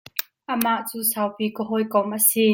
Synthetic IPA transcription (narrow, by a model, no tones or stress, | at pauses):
ʔəmaʔt͡suːsawpiːkɔɦɔjkɔmʔəsiː